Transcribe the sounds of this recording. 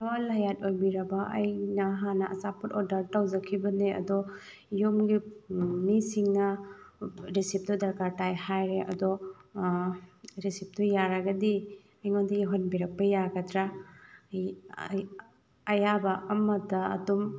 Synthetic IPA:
tɔwalajatojbiɾɐbaʔɐjnaɦanɐʔɐsaputɔɾdɐɾtawzɐkʰibɐneɐ̰dɔ | jomɡimisiŋna | ɾisip̚tɔdɐɾkaɾtajhajɾeʔɐ̰dɔ | ɾisip̚tɔjaɾaɡɐdi | ajŋondiɡiɦɔnbiɾɐk̚pɐjaɡɐtɾa | ɐjabaɐmɐda̰ːdɔm

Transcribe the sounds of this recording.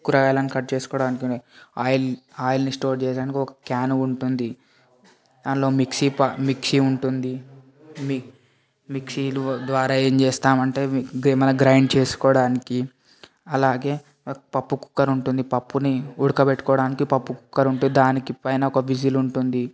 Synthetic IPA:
ukːuɾaːaːlɐnikɐʈ̚t͡ʃe̞ːsu̥kɔːɽaːnikiaːjlaːjilɐnisʈoːɾt͡ʃeːsɽaːnikiɔkɐ̥kaːnuɳʈund̪i | d̪aːnlo̞ːmiksipɐmiksiuɳʈund̪i | mi | miksilud̪ʋaːɾaːe̞ːɲt͡ʃeːst̪aːmɐɳʈe̞ːɡmɐnɐɡɾɐjɳɖt͡ʃeːsu̥kɔːɽaːniki | ɐlaːɡe̞ː | pɐpːuku̥kːɐɾuɳʈund̪ipɐpːuniuɽukɐbeʈːu̥kɔːɽaːnikipɐpːuku̥kːɐɾuɳʈunid̪aːnikipɐjnaɔkɐʋid͡ʒiluɳʈund̪i

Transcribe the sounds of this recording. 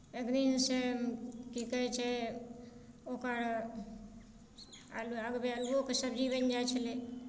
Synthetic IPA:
eɡninsekikəet͡ʃʰe | okaɽ | a̰laɡbealokesəbd͡ʒibənd͡ʒat͡ʃʰəle

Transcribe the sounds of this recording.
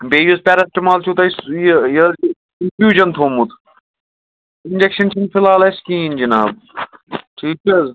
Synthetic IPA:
beːjuspʲɛːɾɐsʈimaːlt͡ʃʰut̪ɐisjjɐ | infjuːd͡ʒɐnt̪ʰoːmut̪ʰ | ɪnʲd͡ʒekʃɐnt͡ʃʰinpʰɪlaːlɐskiːnd͡ʒina̰ːb | ʈʰiːt͡ʃɐz

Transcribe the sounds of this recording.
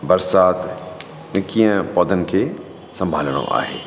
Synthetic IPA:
bɐɾsaːt̪ | nɪkiːə̃pɔːd̪ʱənɪ̆kʰeː | sɐ̃mbʱaːləɽ̃o̰ʔa̰ːɦḛː

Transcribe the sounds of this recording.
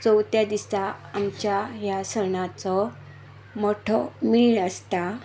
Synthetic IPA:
t͡sɔwt̪jad̪isaːmt͡ɕjaɦjasəɾɳat͡sɔ | moʈʰɔmiɭəst̪a

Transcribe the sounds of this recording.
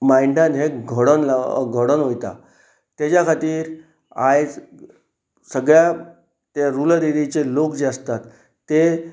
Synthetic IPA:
maiɳɖãnɦeɡʱoɽənlaɡʱəɽənɦojt̪a̰ | t̪jat͡ɕjakʰat̪iːɾ | ajd͡z | səɡɭja | t̪aɾuləɾiɾit͡ɕelokd͡ʑast̪at̪ː | e

